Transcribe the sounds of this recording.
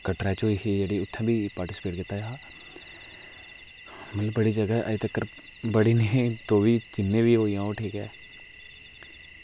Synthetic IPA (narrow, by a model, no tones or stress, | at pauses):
kəʈɾɛːt͡ʃokʰid͡ʒəɽiʊt̪ʰːãbʱipaːɾʈɪsɪ̥peːʈ̚kɪt̪ːajɦaː | mət̪ləbːəɽid͡ʒəɡaʔət̪əkːəɾ | bəɽinẽt̪oːbiːd͡ʒɪnːẽbʱiːoijãoʈʰiːkɛ̰ː